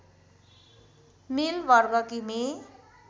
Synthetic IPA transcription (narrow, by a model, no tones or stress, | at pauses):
milbʌɾɡʌkime